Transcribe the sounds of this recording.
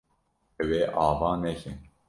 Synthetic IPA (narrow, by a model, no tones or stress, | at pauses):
ɛweːʔɑːvɑːnɛkḭn